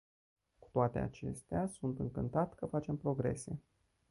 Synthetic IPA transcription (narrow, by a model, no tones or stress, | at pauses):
ku̥t̪oat̪e̞̰a̰t͡ʃe̞̰st̪easunt̪ɨŋkɨnt̪at̪ʲkəfat͡ʃe̞mpɾo̞ɡɾe̞se̞